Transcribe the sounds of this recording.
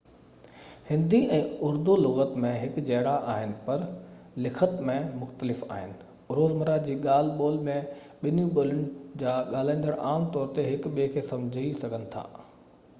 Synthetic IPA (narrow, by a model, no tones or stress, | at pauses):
hɪ̃nd̪ʱiɛ̃ːʊɾd̪ulʊɣət̪mẽɦɪkd͡ʑɐɦɽaʔaːɦɪnɪ̆pɐɾlɪkʰət̪mẽmʊxt̪əlɪfa̰ːɦɪnɪ̆ | ʊɾoːzməɾad͡ʑiːɠaːl̤boːlmẽ | ɓɪnjũɓʊlɪɽ̃ɪ̆d͡ʑaːɠaːl̤ãĩnd̪əɽʔaːmt̪ɔːɾt̪eɦɪkɓiekʰeːsɐ̃md͡ʑʱisɐɡʱənɪ̆t̪ʰa̰ː